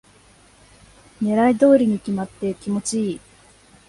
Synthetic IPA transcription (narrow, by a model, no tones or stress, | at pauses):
neɾaid̪o̞ːɾʲiɲ̟ikʲimat̪ːe̞kʲimo̞t͡ɕiiː